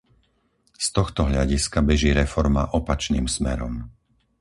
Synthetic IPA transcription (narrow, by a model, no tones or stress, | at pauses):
st̪ɔxt̪ɔɦʎaɟiskabɛʒiːɾɛfɔɾma̰ʔɔpat͡ʃniːmsmɛ̰ɾɔ̰m